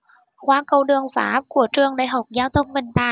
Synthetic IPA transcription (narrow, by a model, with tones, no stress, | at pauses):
kwaː˧˦kə˧˩wɗɨ˨˩əŋfa̰ː˨˦˥p̚ku˧˩ət͡ɕɨ˨˩əŋɗaː˧˨˩jɦa˨˩wk͡p̚zaː˧wt̪ʰə˧wŋ͡mvə˧˨˩nt̪aː˧˨˩